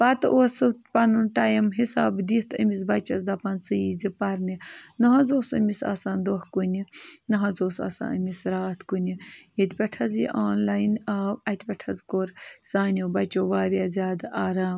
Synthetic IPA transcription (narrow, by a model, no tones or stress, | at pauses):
pɐt̪ʔosɨpɐnunʈajimɦisaːbd̪it̪ɐ̰mizbɐt͡ʃɐzd̪ɐpɐnsɨizipɐɾninɐɦɐzoːsɐ̰misa̰ːsaːnd̪ohkunʲinɐɦɐzoːsa̰ːsa̰ːɐ̰misɾaːt̪ʰkunʲijit̪ʲpʲɐʈʰɐzḭʔaːnlaːjnʲɐɐt̪ʲpʲɐʈʰɐzkoɾsaːnʲibɐt͡ʃoːʋaːɾjaːzʲaːd̪aːɾaːm